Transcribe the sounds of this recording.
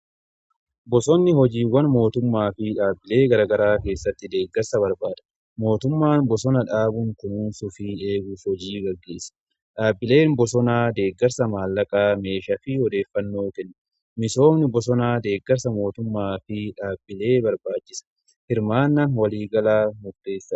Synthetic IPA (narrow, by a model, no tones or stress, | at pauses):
bɔsɔnːɪhɔd͡ʒiːwɐnmo̞ːt̪ʊmːaːfɪᶑaːbːɪle̞ːɡɐɾaːɡɐɾaːke̞ːsːɐt̪ːɪd̪e̞ːɡːɐɾsɐbɐɾbaːᶑ̪ɐ̥ | mo̞ːt̪ʊmːaːnbɔsɔnɐᶑaːbʊŋkʊnuːnsʊfie̞ːɡuːfhɔd͡ʒiːɡɐɡːe̞̰ːsːɐ̥ | ᶑaːbːɪle̞ːnbɔsɔnaːd̪e̞ːɡːɐɾsɐmaːlːɐkʼaːme̞ːʃɐfɪhɔd̪e̞ːfːɐnːo̞ːkɛnːɐ | mɪso̞ːmnɪbɔsɔnaːd̪e̞ːɡːɛɾsɐmo̞ːt̪ʊmːaːfɪᶑaːbːɪle̞ːbɐɾbaːt͡ʃːɪsɐ̥ | hɪɾmaːnːaːnwɐliːɡɐlaːmʊd̪ːeːsːɐ